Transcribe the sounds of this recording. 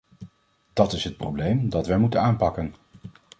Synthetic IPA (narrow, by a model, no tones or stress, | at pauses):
d̥ɑtɪsɦət̚prowblejmdɑtʋɛjmutənaːnpɑkən